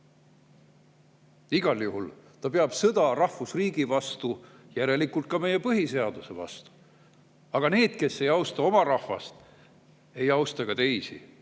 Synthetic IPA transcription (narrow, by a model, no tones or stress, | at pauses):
iɡ̥ɑljuɦult̪ɑpe̞ɑb̥sɤd̪̥ɑrɑhfusriːɡ̥ivɑst̪u | jæɾe̞likːult̪̚kɑme̞je̞pɤɦise̞ɑd̪use̞vɑ̰st̪u̥ | ɑɡ̥ɑne̞ːd̪̥̚ke̞sːe̞jɑwst̪ɑo̞mɑɾɑhvɑ̰st̪ | e̞jɑwst̪ɑkɑt̪e̞jsḭ